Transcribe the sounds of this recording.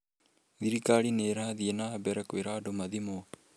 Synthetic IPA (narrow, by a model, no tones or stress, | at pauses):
ðiɾikaɾineːɾahaðienaːbɛɾɛkoweɾadomaðimo